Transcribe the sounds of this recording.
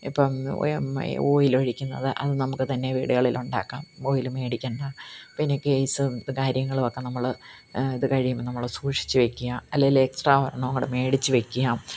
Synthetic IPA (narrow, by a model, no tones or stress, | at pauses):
ḭpːom̰ | o̰ːjiloɻikʲːunːɐ̰ðɨʔɐ̰ðɨnɐmukːɨt̪ɐnːe̞ʋiːɽuɣɐɭiluɳɖa̰ːkːaːmo̞ːjilume̞ːɽikʲːɐɳɖapinːe̞kejsɨkaːɾjɐŋːɐɭokːe̞nɐmːɐɭ | iðɨkɐɻijɐmnɐmːɐɭsuːʂi̥t͡ɕːuʋe̞kʲːujaːmɐlːeɡileksʈraːʋɐɾɐɳɐɐŋːɐɽeme̞ːɽit͡ɕːuʋe̞kʲːujaːm